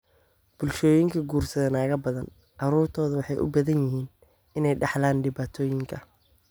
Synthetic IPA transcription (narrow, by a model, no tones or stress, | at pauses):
b̥ʊlʃɔːjɪŋkʰɐɡuːrsɐðɐnaːɣɐbɐðɐn | ʔɑɾuːrt̪ʰɔːðɐwɑħɑjʔʊ̰bɐðɐnjɪɦiːn | ɪnɛjɖɑħlaːnɖɪβaːt̪ʰɔːjɪŋkʰɐ